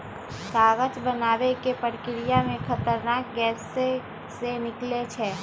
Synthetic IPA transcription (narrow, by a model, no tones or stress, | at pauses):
saːɣət͡ʃbənaːwekepəɽkɪɾijamẽkʰɐt̪əɾnaːk̚ɡɛːse | senɪklet͡ʃʰɛː